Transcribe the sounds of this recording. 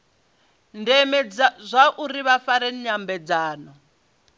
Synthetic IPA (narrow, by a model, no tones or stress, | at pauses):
ndɛmɛd͡zzʷaʔuɾiβafaɾɛnɲambɛd͡zaːnɔ